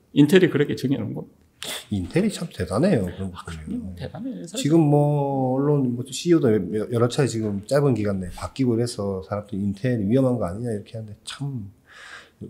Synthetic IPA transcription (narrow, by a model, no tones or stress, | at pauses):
intʰeɾikɯɾek͈ʰet͡ɕɯŋenɯnɡʌ | intʰe̞ɾit͡ɕʰamte̞dane̞jokɯɾʌnɡʌk͈ɯɾeoet͡ɕiɡɯmːʌːɭːonmʌɕʰijodojʌɾʌt͡ɕʰaet͡ɕiɡɯmt͡ɕ͈aɭbɯnɡiɡandepak͈iɡoiɾe̞sʰʌsʰaɾamdɯɾiːntʰe̞ɾiɥiʌmɦanɡʌaɲiɲaiɾʌkʰe̞ɦande̞t͡ɕʰam